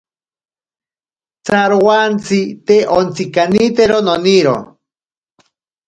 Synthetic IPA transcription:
t͡saɾwant͡sit̪eʔont͡sikanit̪eɾononiɾo̰

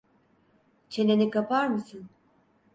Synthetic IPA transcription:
t͡ʃʰe̞nenikapʰaɾmɯsɯn

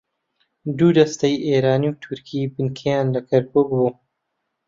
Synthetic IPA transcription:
d̪uːd̪ɐst̪ɐjʔeːɾaːniwt̪ʰuɾkʰiːbɨnkʰejaːnlɐkʰɐɾkuːk̚buː

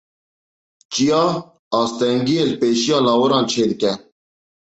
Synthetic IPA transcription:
t͡ɕijaː | aːst̪eːŋɡielpeːɕijɑːlaːwɐɾãːnt͡ɕʰeːd̪keː

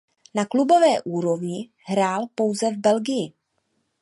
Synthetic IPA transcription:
naklubo̞vɛːʔuːɾo̞vɲɪ | ɦɾaːlpo̞wzɛvbɛlɡɪjɪ

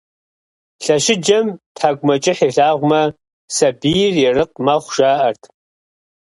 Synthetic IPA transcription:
ɬɐʃɪd͡ʒɐmtʰħaːɡʷʼʊmɐt͡ʃʼɪħiːɬaːʁʷʊmɐ | sɐbiːjrjɛrɨq̚mɐχʷʒ̥aːʔɐrtʰ

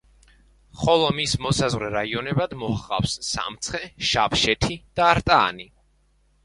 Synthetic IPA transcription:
χɔlˠɔmismɔsazʁɾɛɾaiɔnɛbad̪mɔhaqʼa̰wsːa̰mt̪sʰχɛʃapʃɛt̪ʰid̪̥aːɾt̪ʼa̰ːni

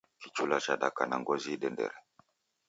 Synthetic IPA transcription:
kit͡ʃulat͡ʃaɗakanaŋɡɔziɗɛndɛ̰ɾɛ

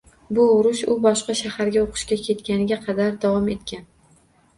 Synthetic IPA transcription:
bʊʊɾʊʃʊbɒʃqɑʃahaɾɡʲaoqʰɨ̥ʃkʲakʲʰe̞t̪kʲanɪɡʲaqʰɑd̪aɾd̪avɒme̞t̪̚kʲan

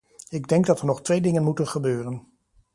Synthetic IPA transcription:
ɪɡdɛŋɡdɑtənɔχtʋejdɪŋənmutənχəbøːrən

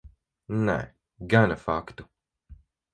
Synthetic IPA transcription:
nɛ̰ | ɡanafakt̪u

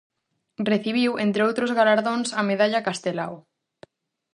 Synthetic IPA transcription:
reθiβ̞iwent̪ɾeowt̪ɾozɣalaɾðõnsɐmeðaʎakast̪ela̰w

